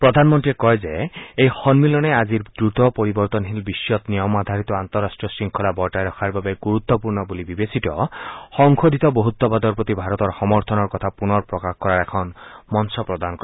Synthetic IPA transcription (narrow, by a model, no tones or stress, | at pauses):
pɾɔd̪ʱanmɔnt̪iekɔjzeejxɔnmilɔnead͡ʒiɾd̪ɾut̪ɔpɔɾibɔɾt̪ɔnɦilbiʃjɔt̪niɔmad̪ʱaɾit̪ɔant̪ɔɾːasʈɾiɔsiŋkʰɔlabɔjʈajɾɔkʰaɾbabeɡuɾut̪ːɔpuɾnɔbulibibesit̪ɔxɔŋkʰod̪ʱit̪ɔboɦut̪ːɔbad̪ɔɾpɾot̪ibʱaɾɔt̪ɔɾxɔmɔɾt̪ʰɔnɔɾkɔt̪ʰapunɔɾpɾɔkaxkɔɾaɾɛkʰɔnmɔnsɔpɾɔd̪ankɔɾ